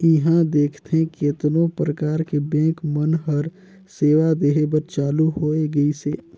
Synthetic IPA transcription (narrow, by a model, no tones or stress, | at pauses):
ɪɦãd̪eːkʰt̪eɦẽket̪nõpɾəkaːɾkebɛ̃ːkmənɦəɾ | seːʋad̪eːɦebəɾt͡ʃaːluɦoːeɡəiseː